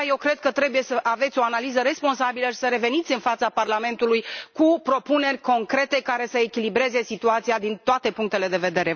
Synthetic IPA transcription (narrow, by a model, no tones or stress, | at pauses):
jewkɾe̞d̪̚kət̪ɾe̞buje̞səʔave̞t̪sʲo̞analizəɾe̞spo̞ns̬abiləʃi̥səɾe̞ve̞nit̪sʲɨnfat̪saparlame̞nt̪ulujkupɾo̞pune̞rʲko̞ŋkɾe̞t̪e̞kaɾe̞səekʲilibɾe̞ze̞sit̪uat̪sijad̪int̪oat̪e̞puŋk̚t̪e̞le̞d̪e̞ve̞d̪e̞ɾe̞